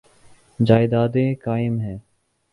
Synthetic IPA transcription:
d͡ʒaːɪd̪aːd̪ẽːkaːɪmɦɛː

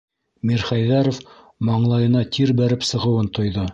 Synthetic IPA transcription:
miɾχæjðæɾof | mɑɴlˠɑjɤ̆nɑt̪ʰiɾbæɾɘpsɤ̆ʁɤ̆wɤnt̪ŏjðɤ

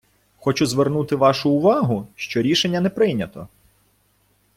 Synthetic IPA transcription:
xɔt͡ʃʊzʋernut̪ɪʋɑʃʊːʋɑɦʊʃt͡ʃɔɾʲiʃenʲːɐnɛpɾɪjnʲɐt̪ɔ

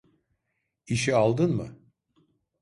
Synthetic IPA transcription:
iʃialˠd̪ɯnmɯ̰

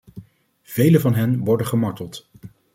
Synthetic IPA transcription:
v̥ejləvɑnɦɛnʋɔɹdəχəmɑɹtəlˠt

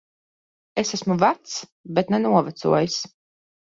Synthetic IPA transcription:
esæsmuvæt̪sbet̪nɛnuɔvæt̪sṵɔjis

